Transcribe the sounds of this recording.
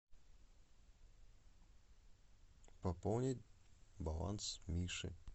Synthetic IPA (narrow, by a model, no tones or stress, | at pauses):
pɐpownʲɪtʲbalˠa̰nsmʲiʂɨ̰